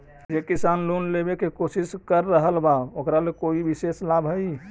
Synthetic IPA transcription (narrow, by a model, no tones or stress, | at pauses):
d͡ʒekisaːnlonlebekekosɪskəɾːəɦəlbaokɾalekoibiseslabʱɦɛi